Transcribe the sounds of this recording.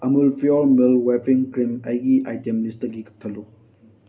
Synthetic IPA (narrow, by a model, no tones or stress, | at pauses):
ɐmulpʰiɔlmilwepʰiŋkɾimɐjɡiʔajtemlistɐɡikɐ̥k̚tʰɐluk̚